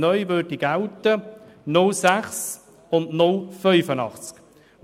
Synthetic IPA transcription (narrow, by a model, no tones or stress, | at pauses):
nœʏʋøɾdiɡaltə | nʊlsæχs | ʊndnʊlfœʏfənɑ̰χt͡sk